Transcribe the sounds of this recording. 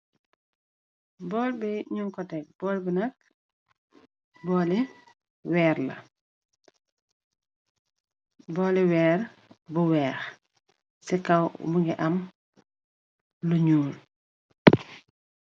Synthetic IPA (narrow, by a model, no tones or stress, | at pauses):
bɔːlbɛɲuŋkɔtɛk̚bɔːlbinɐk̚ | bɔːli | wɛːrlɐ̰ | bɔːliwɛːr | buwɛːx | sikɐwmuŋɡiʔɐm | luɲuːl